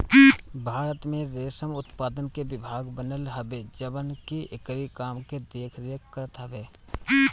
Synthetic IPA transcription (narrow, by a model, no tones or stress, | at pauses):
bʱaːɾət̪mẽɾeːsəmʊt̪paːd̪ənkeʋɪbʱaːɡbənəlɦəbeːd͡ʒəbənkiɪkɾikaːmked̪eːkʰɾekːəɾət̪ɦəbeː